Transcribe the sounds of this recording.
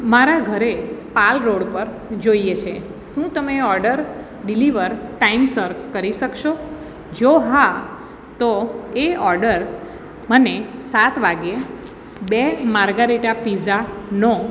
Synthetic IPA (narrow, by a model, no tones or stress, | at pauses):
maɾaɡʱəɾepalɾoɽpəɾ | d͡ʒoiet͡ʃʰe | ʃũt̪əmeɔɾɖəɾ | ɖiliʋəɾʈaimsəɾkkəɾiʃəkʃo | d͡ʒoɦa | t̪oeɔɾɖəɾ | mənesat̪ʰʋaɡe | bemaɾɡaɾiʈapizanɔ